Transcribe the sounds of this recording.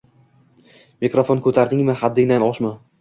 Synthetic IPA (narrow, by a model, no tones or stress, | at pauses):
mekɾofonkʰɵt̪ʰaɾd̪ɪŋmɪhad̪ːɪŋd̪anɒʃmɪ